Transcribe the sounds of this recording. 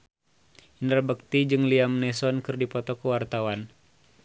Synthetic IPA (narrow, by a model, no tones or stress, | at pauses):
indərbək̚t̪id͡ʒɨŋliamnɛsɔnkɨrdipɔt̪ɔkəwart̪awan